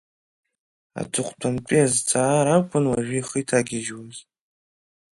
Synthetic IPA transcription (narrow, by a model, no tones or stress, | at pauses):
a̰tʰʊqʷʰʼtʷʰamtʷʼiazt͡sʰaːɾakʷʰʼʊnwaʒᶣʷiiχijtʰaɡʲɪʒwaz